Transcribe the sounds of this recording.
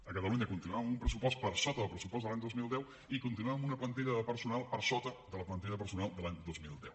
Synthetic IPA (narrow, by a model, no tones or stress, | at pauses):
əkət̪əluɲəkunt̪inuaəmumpɾəsupɔspəɾsot̪əðəlˠpɾəsupɔzðəlaɲd̪ozmilˠd̪ɛw | ikunt̪inuaəmunəplənt̪iʎəðəpəɾsunalˠpəɾsot̪əd̪ələplənt̪iʎəðəpəɾsunalˠd̪əlaɲd̪ozmilˠd̪ɛw